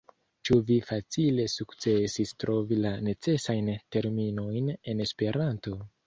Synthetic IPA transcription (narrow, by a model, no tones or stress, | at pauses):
t͡ʃuvifat͡sile̞sukt͡se̞sistɾo̞vilane̞t͡se̞sajnte̞ɾmino̞jne̞ne̞spe̞ɾʔanto̞